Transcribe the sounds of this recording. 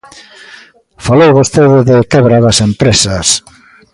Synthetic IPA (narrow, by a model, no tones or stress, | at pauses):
falowɣost̪eðɪðɪkɛβɾaðɐsempɾesɐs